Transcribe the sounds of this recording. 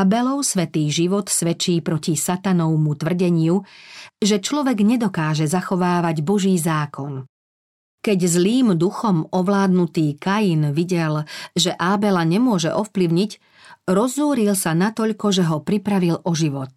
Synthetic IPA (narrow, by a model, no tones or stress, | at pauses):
abɛlɔʊsʋɛt̪iːɣʒiʋɔt̪sʋɛt͡ʃiːpɾɔcisat̪anɔʊmut̪ʋr̩ɟɛɲɪuʒɛt͡ʃlɔʋɛɡɲɛd̪ɔkaːʒɛzaxɔʋaːʋaɟbɔʒiːzaːkɔn | kɛɟzliːmd̪uxɔmɔʋlaːd̪nut̪iːkajinʋiɟɛlʒɛʔaːbɛlaɲɛmʊɔʒɛ̰ʔɔfpliʊɲic | ɾɔzːuːɾilsanat̪ɔʎkɔʒɛɦɔpɾipɾaʋilʔɔʒiʋɔt̪̚